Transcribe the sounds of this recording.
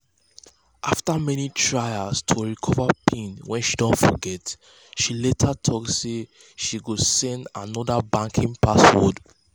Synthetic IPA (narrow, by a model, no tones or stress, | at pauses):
ʔaftamɛnitʰɹaɪastʰoɹikʰɔvapʰĩnwɛ̃nʃidɔ̃ntfɔɡɛt | ʃiletʰatʰɔkse | ʃiɡosɛ̃nda̰nɔdabãŋkʰĩŋpaswɔ̰d